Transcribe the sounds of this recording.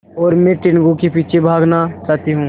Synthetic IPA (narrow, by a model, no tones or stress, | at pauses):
ɔːɾmɛ̃ʈɪnɡõkepiːt͡ʃʰebʱaːɡnat͡ʃaːɦt̪iɦũː